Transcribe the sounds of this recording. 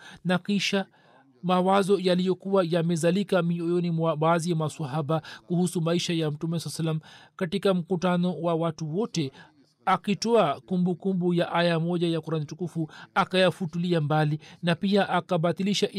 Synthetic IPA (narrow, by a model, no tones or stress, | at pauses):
nakiʃa | mawazɔjalijɔkuwajamɛzalikamiɔjɔnimwaɓaːzijamasaɦaɓakuhusumaiʃajam̩tumɛsalsalːam̩katikam̩kutanɔwawatuwɔtɛ | akitɔakumbukumbujaʔajamɔʄajakuɾanitukufuakajafutuliambalinapiaʔakaɓaθiliʃaʔ